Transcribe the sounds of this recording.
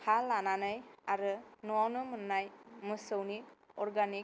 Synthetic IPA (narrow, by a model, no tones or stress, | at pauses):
halːananɯjaɾɯnuwawnɯmɯnːajmɯsɯwniɔɾɡani